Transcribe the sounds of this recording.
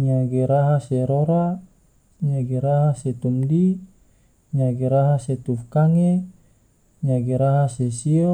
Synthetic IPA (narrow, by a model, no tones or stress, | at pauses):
ɲaɡeɾaɦaseɾoɾa | ɲaɡeɾaɦaset̪umdi | ɲaɡeɾaɦaset̪ufkaŋe | ɲaɡeɾaɦasesio